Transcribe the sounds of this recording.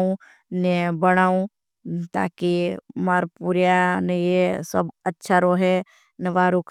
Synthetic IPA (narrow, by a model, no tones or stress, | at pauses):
ũ | nɛbəɽ̃aːũ | t̪a̰ːkimaːɾpuɾjanejesə̰bətːʃʰaɾoɦɛ | nəʋaːɾukʰ